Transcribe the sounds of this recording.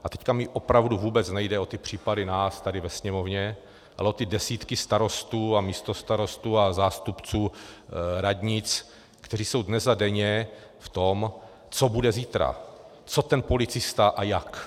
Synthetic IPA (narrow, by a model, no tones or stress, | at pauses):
ʔat̪ɛckamɪʔopɾavduvuːbɛt͡snɛjdɛo̞t̪ɪpr̝̥iːpadɪnaːst̪adɪvɛsɲɛmo̞vɲɛ | ʔa̰lɛo̞t̪ɪdɛsiːt̪kɪst̪aɾo̞st̪uːamiːst̪o̞st̪aɾo̞st̪uːazaːst̪upt͡suː | ɾadɲɪt͡s | kt̪ɛriːso̞wdnɛzadɛɲɛ | ft̪om | t͡sobudɛziːt̪ɾa̰ | t͡so̞t̪ɛnpo̞lɪt͡sɪst̪aʔajak